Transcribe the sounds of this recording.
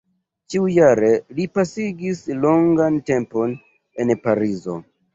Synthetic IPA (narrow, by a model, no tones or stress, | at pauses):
t͡ʃiujaɾe̞lipasiɡislo̞ŋɡante̞mpo̞n | e̞npaɾizo̞̰